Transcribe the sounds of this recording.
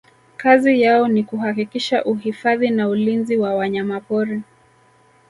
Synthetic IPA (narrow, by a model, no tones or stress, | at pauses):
kazijaɔnikuɦakikiʃaʔuɦifaðinaulinziwawaɲamapɔɾɛ